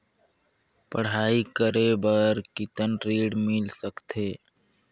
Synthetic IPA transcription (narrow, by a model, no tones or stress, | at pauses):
pəɽ̤aːikəɾebəɾkɪt̪ənɾiːɽmɪlsəkt̪eː